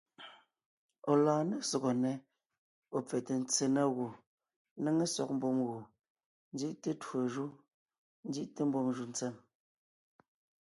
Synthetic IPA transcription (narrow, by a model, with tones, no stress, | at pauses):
ɔ˨laː˨ne˦sɔ˨ɣɔ˨nɛ˨ | o˨p͡fɛ˨te˨n̩˦t͡se˨na˦ɣu˨ | ne˦ŋe˦sɔ˨k̚m̩˦bo˦˨mɣu˨ | n̩˦d͡zi˦ʔte˦two˨ʒu˦ | n̩˦di˦ʔte˦m̩˦bɔ˦ŋʒu˨n˦t͡sɛ˦˨m